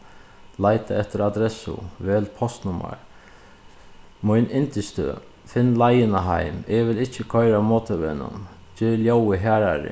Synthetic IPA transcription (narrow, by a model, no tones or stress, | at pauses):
lajt̪aɛht̪əɾad̪ɾɛsʊ̰ʋɛːlpʰɔst̪nʊma̰ɹ | mʊjnɪnt̪ɪst̪ə̰ | fɪnːlajɪnaɦa̰jmɛʋɪlɪht͡ʃːəkʰœjɾamoːt̪ʰəʋenʊ̰n | d͡ʒɪːljowɪɦaːɾaɾɪ̰